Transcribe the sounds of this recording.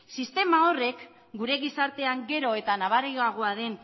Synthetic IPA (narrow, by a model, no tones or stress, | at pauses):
sist̪e̞mao̞re̞k | ɡuɾe̞ɣisaɾt̪e̞aŋɡe̞ɾo̞e̞t̪anaβaɾejaɣ̞oaðe̞n